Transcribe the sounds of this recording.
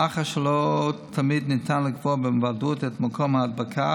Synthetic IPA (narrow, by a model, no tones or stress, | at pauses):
aχaʃɛlotʰamidnɪtʰanlɪkvɔbɪmvadutɛtmakʰɔmaad̚bakʰa